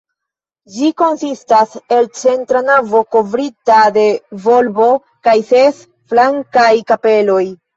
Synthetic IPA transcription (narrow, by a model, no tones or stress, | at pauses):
d͡ʒiko̞nsistase̞lt͡se̞ntɾanavo̞ko̞vɾitade̞vo̞lbo̞ | kajse̞s | flaŋkajkape̞lo̞j